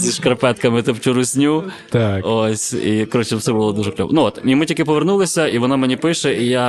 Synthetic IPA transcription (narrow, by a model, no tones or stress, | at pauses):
zʲiʃkɾɐpɛt̪kɐmɪt̪opt͡ʃʲʊɾʊsʲnʲu | t̪aosʲikɐɾot͡ʃɪfsɛbʊlˠɔd̪uʐɛklʲo̰ʋɔ̰nʊot̪imɪtʲikʲɪpɔʋernulˠɪsʲɐiʋɔnamenʲipɪʃɛʔija